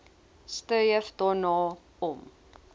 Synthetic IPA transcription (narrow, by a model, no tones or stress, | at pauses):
stəjəfdɑːnɑː | ɔm